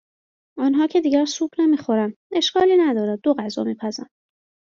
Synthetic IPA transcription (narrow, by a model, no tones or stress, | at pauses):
ɒːnɦɒːcʰe̞d̪iːɡɟæɾsuːbne̞miːxo̞ɾænd̪e̞ʃkɒːliːnæd̪ɒːɾæːoɣæzɒ̰ːmiːpʰæzæ̰nd̥̪